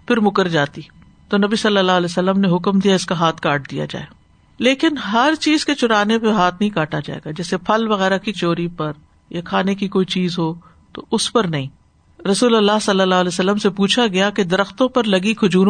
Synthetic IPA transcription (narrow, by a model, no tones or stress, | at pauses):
pʰɪɾmʊkəɾd͡ʒaːt̪i | t̪oːnɐbisɐlːəlːaːɦəlɛːsəlːəmneɦʊkmd̪ijaɪskaɦaːt̪ʰkaːʈ̚d̪ija̰d͡ʒa̰ːeː | leːkɪnɦɐɾt͡ʃiːzket͡ʃʊɾaːnepeɦaːt̪ʰnɐɦĩkaːʈʰad͡ʒa̰ːḛːɡad͡ʒɛːsepʰɐlʋɐɣɛːɾakit͡ʃoːɾipɐɾ | jakʰaːnekikoːit͡ʃiːzɦo | t̪o̰ʔʊspɐɾnɐɦĩː | ɾɐsuːlɐlːaːɦsɐlːəlːaːɦlɛːsəlːəmsepuːt͡ʃʰaɡɐjaked̪ɐɾəxt̪õpɐɾlɐɡikʰʊd͡ʒuːɾ